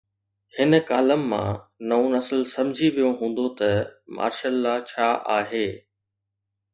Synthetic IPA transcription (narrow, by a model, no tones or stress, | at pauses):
hɪnəkaːləmːã̰ːnɐõnɐslsɐ̃md͡ʑʱiʋijoɦũːn̆d̪ot̪ɐmʔa̰ːɾʃalːat͡ɕʰaːʔaːɦeː